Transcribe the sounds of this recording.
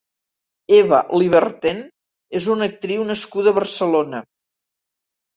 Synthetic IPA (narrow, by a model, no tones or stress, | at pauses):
eβə̰liβ̞ərt̪en | ezunək̚t̪ɾiwnəskuðəβərsəlonə